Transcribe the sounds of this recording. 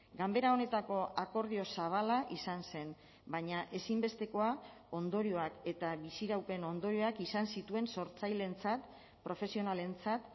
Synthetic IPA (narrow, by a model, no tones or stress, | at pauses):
ɡambe̞ɾao̞ne̞t̪ako̞ako̞ɾðio̞saβ̞alaʔisanse̞n | baɲaʔe̞simbe̞st̪e̞ko̞a | o̞nd̪o̞ɾio̞ake̞t̪aβisiɾawpe̞no̞nd̪o̞ɾio̞akisansit̪ue̞nso̞ɾt͡sajle̞nt͡sat̪ | pɾo̞fe̞sio̞nale̞nt͡sat̪